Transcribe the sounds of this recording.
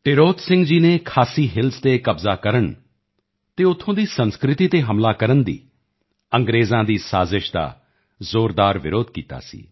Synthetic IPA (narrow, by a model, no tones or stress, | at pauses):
ʈɪɾoːt̪sɪ̃ŋɡd͡ʒiːneːkʰaːsiːɦɪlst̪ekəbzaːkəɾəɳ | t̪eːʊt̪ʰːõːd̪iːsə̃nskɾɪt̪iːt̪eːɦəmlaːkəɾənd̪ḭː | ə̃ŋɡɾeːzãːd̪iːsaːzɪʃd̪a̰ː | zoːɾd̪aːɾʋɪɾoːd̪̚kiːt̪a̰ːsḭː